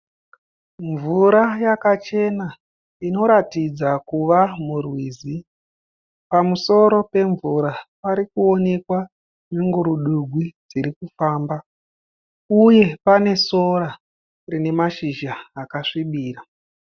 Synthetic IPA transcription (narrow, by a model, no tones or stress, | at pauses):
ɱvuɾajakat͡ʃe̞na | ino̞ɾatid͡zakuʋamurwiːzi | pamuso̞ɾo̞pe̞ɱvuɾapaɾikuo̞ne̞kwa | niŋɡuɾuɗuɡʱwid͡ziɾikufaːmba | uje̞pane̞so̞ɾa | rine̞maʃiʒaːkaʂiɓiːɾa